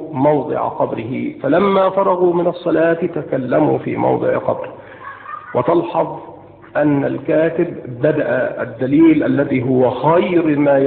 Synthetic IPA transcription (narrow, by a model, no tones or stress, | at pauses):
mɑwd̪ˤɨ̰ʕa̰qɑbɾɪhɪfalamːaːfɑɾˤɑɣuːmɪnɑsˤːɑlaːt̪ɪt̪akalːamṵːfḭːmʔɑ̰wd̪ˤɨ̰ʕ̰qɑ̰bɾɪ | wɑt̪ɑlħɑðˤ | ʔanːalkaːt̪ɪbːad̪aʔa̰a̰d̪ːaliːlʔalːaðiːɦʊwaxajɾmaːj